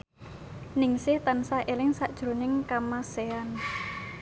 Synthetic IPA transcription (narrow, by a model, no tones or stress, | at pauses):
nɪŋsɪht̪ansaʔelɪŋsaʔd̥ʒ̥ɾonɪŋkamasean